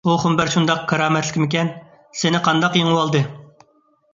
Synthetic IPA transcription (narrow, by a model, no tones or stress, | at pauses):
uχʊmbæɾʃund̪ɑqkʰɑɾɑːmɛt̪lɪ̥kʲmɪkʲɛn | senɪqʰɑnd̪ɑqjeŋɨwɑlˠd̪ɨ